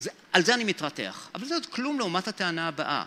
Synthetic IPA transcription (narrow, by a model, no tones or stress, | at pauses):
ze | alzeanimit̪ʁatḛa̰χavalzeodklumleumathat̪eanaːba̰ʔa̰